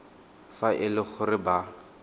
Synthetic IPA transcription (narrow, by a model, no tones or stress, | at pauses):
faʔɪlɪχʊrɪba